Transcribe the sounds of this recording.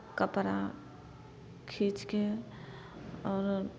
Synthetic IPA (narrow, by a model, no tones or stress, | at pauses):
kəpɾa | kʰiːt͡ʃke | ɔːɾ